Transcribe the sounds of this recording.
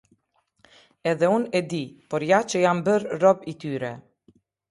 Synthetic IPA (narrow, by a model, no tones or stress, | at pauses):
ɛðɛunɛd̪ipɔɾjat͡ʃəjambəɾːɔbit̪yɾɛ̰